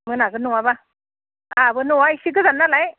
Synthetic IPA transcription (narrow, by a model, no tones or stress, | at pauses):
mɯnakɯnuwaba | abɯnuwaisik̬ɯzanːalaj